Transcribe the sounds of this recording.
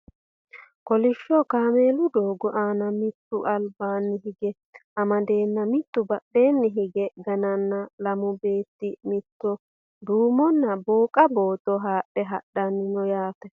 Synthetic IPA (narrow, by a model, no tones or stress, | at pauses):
kɔlɪʃːɔkaːmeːlʊd̪oːɡɔʔaːnɐmɪt̪ːʊʔɐlbaːnːɪɦɪɡɛ | ɐmɐd̪e̞ːnːɐmɪt̪ːʊbɐɗːe̞ːnːɪɦɪɡɛɡɐnɐnːɐlɐmʊbe̞ːt̪ːɪmɪt̪ːɔ | d̪uːmɔnːɐboːkʼɐbo̞ːt̪ɔɦaːɗːɛɦɐɗːɐnːɪnɔjaːfɛ